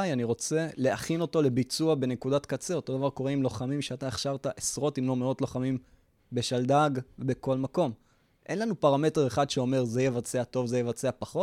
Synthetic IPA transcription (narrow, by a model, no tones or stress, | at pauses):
ajaniʁo̞t͡se̞le̞ʔaχino̞to̞le̞bit͡suabe̞nekudat̪kat͡seo̞t̪o̞d̪avaʁko̞ʁeimlo̞χamimʃeat̪aeχʃaʁt̪aʔesʁo̞timlo̞meo̞tlo̞χamim | beʃald̪aɡvebe̞ko̞lmako̞m | ʔe̞̰nlanupaʁame̞te̞ʁeχad̪ʃeo̞me̞ʁzejevat͡seato̞vzejevat͡seapaχo̞t